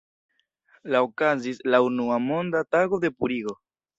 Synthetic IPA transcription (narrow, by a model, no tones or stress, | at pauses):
laokazislaunuamo̞nd̪ataɡo̞de̞puɾiɡo̞